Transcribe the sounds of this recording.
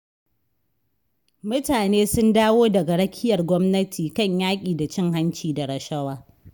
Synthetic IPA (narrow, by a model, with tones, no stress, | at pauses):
mʊ˦taː˨neː˦sʊ˦ndaː˦woː˦dɐ˨ɡa˨ɽɐ˦kʲʰɪ˦jɐ˨rɡʷɔ˦mnɐ˦tʰiː˨kɐ˦˨ɲjaː˦kʲʼiː˨da˨t͡ʃɪ˦˨ŋɦa˦nt͡ʃiː˨da˨ɽɐ˨ʃɐ˦waː˦